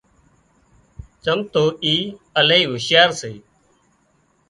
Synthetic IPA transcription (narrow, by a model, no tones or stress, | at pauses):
t͡ʃəmt̪oːiːəleiːʋʊʃjaːɾseː